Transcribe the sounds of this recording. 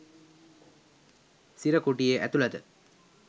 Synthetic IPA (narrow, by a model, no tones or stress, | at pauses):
siɾəkoʈijeʔæt̪ulat̪ə